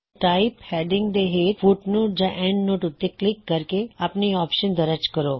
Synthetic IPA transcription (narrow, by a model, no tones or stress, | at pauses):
ʈaːɪphɛːɖɪ̃ŋɡd̪eɦeːʈfuːʈnoːʈ̚d͡ʒãʔɛ̃ːɳɖnoːʈʊt̪ːeklɪkːɐɾkeɐpniɔːpʃənd̪ɐɾət͡ʃkəɾoː